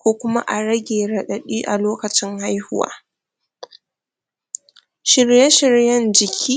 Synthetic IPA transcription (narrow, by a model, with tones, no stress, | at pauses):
kʷoː˦kʷʊ˦ma̰˦ʔa˨ɾɐ˦ɡʲeː˨ɽɐ˨ɗɐ˨ɗiː˦ʔa˨loː˦kɐ˨t͡ʃɪ˦ŋha˦jhʊ̰˦wa̰ː˦ | ʃɪ˨rjɛ˦ʃɪ˦ɾjɐ˦nd͡ʒɪ˨kʲʰiː˦